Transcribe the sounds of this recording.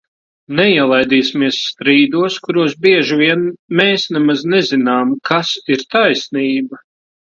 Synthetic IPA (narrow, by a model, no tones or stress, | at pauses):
nɛiɛlˠajd̪iːsʲmiɛsːt̪ɾiːd̪uɔskuɾuɔs̬biɛʒivʲiɛnmɛːsnɛmaznɛzinaːmkʰasiɾt̪ajsniːba